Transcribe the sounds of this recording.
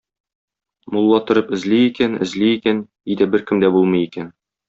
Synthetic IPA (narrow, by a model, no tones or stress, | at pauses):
mulˠːɑt̪ŏɾɤpɘ̆zliːkænɘ̰̆zlijikæn | id̪æbɘɾkɘmd̪æbulˠmɤ̆jikæn